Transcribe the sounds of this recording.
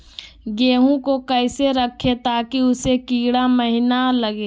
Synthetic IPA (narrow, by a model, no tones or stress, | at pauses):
ɡeːɦũkokəɪseɾɐkʰːet̪aːkiʊsekiːɽaməɦɪnalɐɡeː